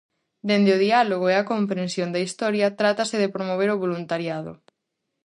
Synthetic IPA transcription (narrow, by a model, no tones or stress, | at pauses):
d̪end̪ɪoðialoɣ̞oeakompɾensjond̪ɐist̪ɔɾjɐt̪ɾat̪ɐsɪðepɾomoβ̞eɾoβolunt̪aɾjaðʊ̰